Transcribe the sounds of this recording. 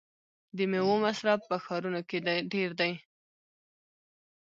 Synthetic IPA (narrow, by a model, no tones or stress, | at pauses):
d̪əmewomasɾabpːəxɑɾunoked̪aɖeɾd̪aj